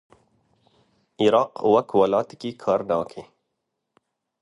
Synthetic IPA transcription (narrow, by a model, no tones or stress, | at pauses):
iɾɑːqwɐkʰwɐlɑːt̪kikʰɑːɾnɑːkʰe